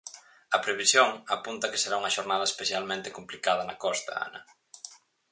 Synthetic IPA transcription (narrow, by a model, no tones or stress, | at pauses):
ɐpɾeβisjoŋɐpunt̪ɐke̥seɾauŋɐʃoɾnað̞ɐespeθjalmẽnt̪ekumplikaðɐnɐkɔst̪ɐ̰a̰nɐ̰